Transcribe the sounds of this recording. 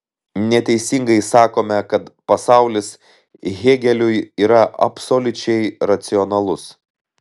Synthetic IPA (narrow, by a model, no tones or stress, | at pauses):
nʲɛt̪ʲɛɪsʲɪŋɡɐɪsɑːkoːmʲɛkɐt̪pɐsɑˑʊlʲɪs | ɣʲeːɡʲɛlʲʊjiːɾɐʔɐ̰psolʲʊt͡ʃʲɛɪɾɐt̪sʲɪɔnɐlˠʊs